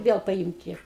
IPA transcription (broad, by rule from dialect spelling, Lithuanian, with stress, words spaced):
ˈʋʲiɛlˠ pɐˈiːmʲtʲɪ